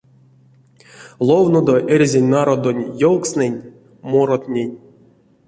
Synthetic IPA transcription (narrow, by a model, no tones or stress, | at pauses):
lˠovnod̪oʔerʲzʲenʲnaɾod̪onʲjolˠksnɛnʲ | moɾot̪nʲenʲ